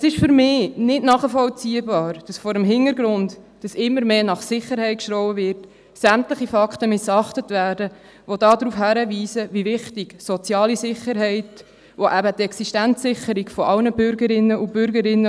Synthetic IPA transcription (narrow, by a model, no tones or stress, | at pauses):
əsɪʃfʏɾmɪːnɪdnɑːχəfɔlt͡siːəbɑːɾd̥ɑsfɔɾəmɦɪnəɾɡɾʊnt | d̥ɑsɪmːəɾmeːnɑχsɪχəɾhɛɪt̚kʃɾɔʊwəvɪɾt | sæmtləχifɑkχtəmɪsɑχtətvæːɾdə | ʋodɑːdɾuːfhæɾəʋiːsəʋivɪχtɪɡ̥sɔt͡sjɑːlisɪχːəɾɦɛɪt | ʋoʔæbətɛksiʃtænt͡sːɪχːəɾiɡfɔɑlnəbʏɾɡəɾɪnːəʔʊb̥ʏɾɡəɾɪnːə